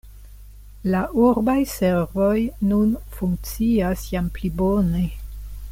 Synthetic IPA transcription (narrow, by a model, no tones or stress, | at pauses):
laʔuɾbajseɾvo̞jnunfuŋk̚t͡siasjamplibone̞